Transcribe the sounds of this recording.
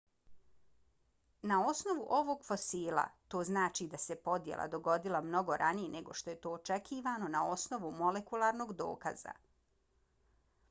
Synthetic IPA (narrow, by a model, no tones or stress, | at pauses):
nao̞sno̞ʋuʔo̞ʋo̞ɡfo̞siːlˠa̰t̪o̞ːznaːt͡ʃid̪ase̞po̞d̪jḛlˠʔa̰d̪o̞ɡo̞d̪ilˠamno̞ɡo̞ɾʔanijene̞ɡo̞ʃt̪o̞je̞t̪o̞ːt͡ʃekʰiːʋaːno̞nao̞sno̞ʋumo̞lekulˠaːɾno̞ɡd̪o̞̰ːka̰z̥a̰